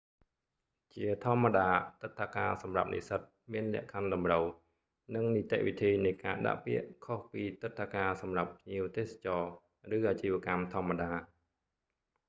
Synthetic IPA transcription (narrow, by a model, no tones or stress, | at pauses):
t͡ɕiət̪ʰŏəmːaɗaːt̪ɨt̪ʰːakaːsɑmra̰p̚nʔḭsət̪̚miənlɛ̆əʔkʰanɗɑmrəw | nɨŋnit̪ɛ̰ʔʋit̪ʰiːnɨjkaːɗa̰ʔpiəʔkʰohpiːt̪ɨt̪ʰːakaːsɑmrapːʰɲiəwt̪eːsḁt͡ɕɑː | rɨːʔaːt͡ɕiːʋə̆əkamt̪ʰŏəmːaɗaː